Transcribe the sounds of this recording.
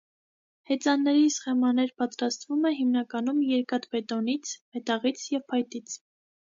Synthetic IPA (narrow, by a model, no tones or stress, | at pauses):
hɛt͡sɑnːɛɾisχɛmɑnɛɾpɑt̪ɾɑst̪vumɛɦimnɑkɑnumjɛɾkɑt̪bɛt̪ɔnit͡sʰmɛt̪ɑʁit͡sʰjɛvpʰɑjt̪it͡sʰ